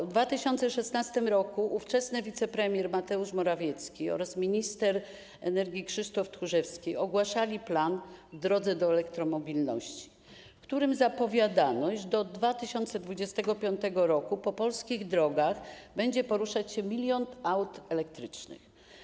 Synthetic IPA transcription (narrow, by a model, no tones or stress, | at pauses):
vd̪vat̪ɘɕɔnt̪sɛʂɛsnast̪ɘmɾɔkuʔːft͡ʂɛsnɘvʲit̪sɛpɾɛmʲjɛɾmat̪ɛuʂmɔɾavʲjɛt̪skʲiɔ̰ɾasmʲiɲist̪ɛɾ | ɛnɛɾɡʲikʂɘʂt̪ɔft̪ɾuʐɛfskʲejɔɡwaʂalʲiplanvd̪ɾɔd̪zɛd̪ɔɛlɛkt̪ɾɔmɔbʲilnɔ̰ɕt͡ɕi̥ | fkt̪uɾɘmzapɔvʲjad̪anɔɕd̪ɔd̪vat̪ɘɕɔnt̪sɛd̪vud͡ʑɛst̪ɛɡɔpʲjɔnt̪ɛɡɔɾɔkupɔpɔlskʲiɣd̪ɾɔɡaɣbɛɲd͡ʑɛpɔɾuʂat͡ɕɕɛmʲilʲjɔnt̪awt̪ɛlɛk̚t̪ɾɘt͡ʂnɘ̰x